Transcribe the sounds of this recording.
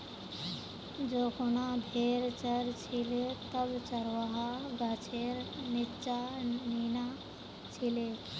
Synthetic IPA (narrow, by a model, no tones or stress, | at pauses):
d͡ʒoːkʊnãːbʱeːɾt͡ʃəɾt͡ʃʰilet̪əbt͡ʃəɾʋaːɦaɡat͡ʃʰeːɾnɪt͡ʃaːniːnaː | t͡ʃʰileː